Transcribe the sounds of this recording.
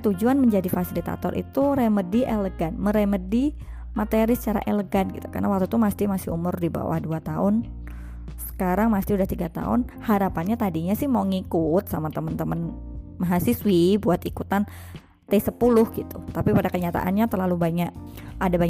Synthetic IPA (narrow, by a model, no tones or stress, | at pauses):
t̪ud͡ʒuanməɲd͡ʒadifasilit̪a̰t̪ɔɾʔḭt̪uɾemədiʔeləɡanməɾemədi | mat̪eɾisə̥t͡ʃaɾa̰ʔeləɡanɡit̪u̥ka̰rnawak̚t̪ut̪umast̪imasɪhumʊrdiba̰wa̰hduat̪aʊn | sə̥kaɾaŋmast̪iudaht̪iɡat̪a̰ʊ̰nhaɾapanɲat̪adiɲasɪhmauŋikʊt̪̚samat̪əmənt̪əmənmaɦasɪswibuat̪ikut̪an | t̪esəpulʊhɡit̪ut̪apipadakəɲat̪a̰ʔa̰nɲat̪ərlalubaɲaʔadabaɲ